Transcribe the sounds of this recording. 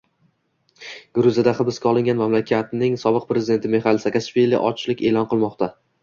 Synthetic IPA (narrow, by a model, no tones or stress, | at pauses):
ɡ̥ʊɾʊzad̪aχɨbɪskʲaɒlˠɪŋʲanmamlakʲʰat̪nɪŋsɒbɨq̚pʰɾezɪd̪e̞nt̪ʰɪme̞χalˠsakaʃvilːḭʔɒ̰t͡ʃʰlɪkʲe̞lˠɒnqɨlˠmɒqt̪ʰa